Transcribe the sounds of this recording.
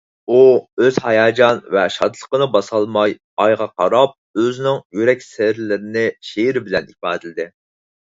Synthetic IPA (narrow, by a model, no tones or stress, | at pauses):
uøz̥hɑjɑːd͡ʒɑnvɛʃɑd̪lˠəqənɨbɑsɑlˠmɑj | ɑjʁɑqʰɑ̰ɾɑp̚øzɪnɪŋjyɾɛkʲsɪɾlɪɾɪnɪʃeɾɪbɪlɛnipɑ̰ːd̪ɨlɪd̪ɪ